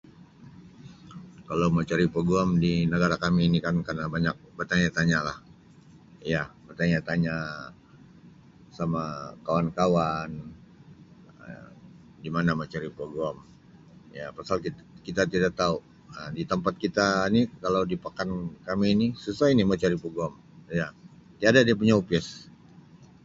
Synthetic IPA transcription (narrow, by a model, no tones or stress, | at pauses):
kalawmat͡ʃaɾipəɡuamdinəɡaɾakamiːnikankarnabaɲak̚bərt̪aɲat̪aɲalah | jabərt̪aɲat̪aɲa | samakawankawan | ə̰ | dimanamat͡ʃaɾipəɡɔm | japasalkikit̪at̪idak̚t̪au | ədit̪əmpat̪̚kit̪ainikalawdipakankamiːnisusainimat͡ʃaɾipəɡɔm | jat̪iadadiap̬uɲaupɛs